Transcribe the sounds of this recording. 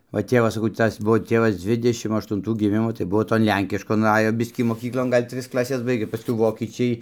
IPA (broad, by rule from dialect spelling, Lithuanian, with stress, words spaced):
ʋɐ ˈtʲeːʋɐs sɐˈkɐʊ ˈtɐs ˈbʊʋoː ˈtʲeːʋɐs ˈd͡zʲʋʲɪdʲɛʃʲɪm ɐʃtʊnˈtuː ɡʲɪˈmʲɪmoː tɐɪ ˈbuɔ toːn ˈlʲɛŋʲkʲɪʃkoːn ˈɑːjoː ˈbʲɪsʲkʲiː moːˈkʲiːklˠoːn ˈɡɐlʲ ˈtʲrʲɪs klˠɐˈsʲɛs ˈbɐɪɡʲeː pɐˈskʊɪ ˈʋoːkʲiːt͡ʃʲɛɪ